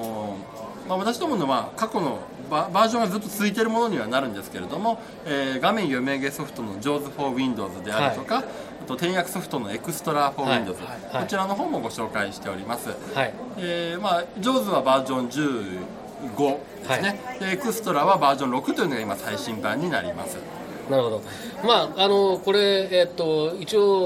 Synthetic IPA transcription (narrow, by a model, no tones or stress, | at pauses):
maβat̪aɕ̬id̪omonoβakako̞no̞ | babaːʑõɰ̃azɨt̪ːo̞t͡sɨit̪̬e̞ɾɯ̟mo̞no̞ɲ̟iβ̞anaɾɯ̟̃nd̪e̞sɨ̥ke̞ɾe̞d̪o̞mo̞ | eːɡamẽ̞ɰ̃jome̞ɡe̞so̞ɸɯ̟̥t̪o̞no̞d͡ʑo̞ːzɨɸo̞ːβʲĩnd̪o̞ːzɨd̪e̞aɯ̟t̪o̞kaː | t̪o̞t̪ẽ̞ɰ̃jakɯ̟so̞ɸɯ̟̥t̪o̞no̞e̞kɯ̟sɨ̥t̪o̞ɾaɸo̞ːĩnd̪o̞ːzɨ | ot͡ɕiɾano̞ɦo̞ːmo̞ɡo̞ɕo̞ːkaiɕi̥t̪e̞o̞ɾʲimasɨhieːmad͡ʑo̞ːzɨβabaːʑõ̞ɲd͡ʑɨː | ɡo̞ | d̪̥esɨne̞d̪e̞ːkɯ̟sɨ̥t̪o̞ɾaβabaːʑõ̞ɾo̞kɯ̟t̪o̞iɯ̟noɡaimasaiɕĩmbãɲ̟ːina̰ɾʲḭma̰sɨ̰ | naɾɯ̟hod̪o | maːnoko̞ɾe̞et̪ːo̞it͡ɕio